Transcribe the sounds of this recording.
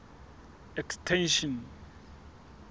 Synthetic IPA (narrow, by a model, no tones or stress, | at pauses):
ɛkstʰɛ̃nʃɔ̃n